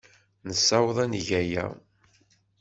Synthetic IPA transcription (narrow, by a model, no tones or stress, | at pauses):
nəsːæwəðˤænʝæjæ̰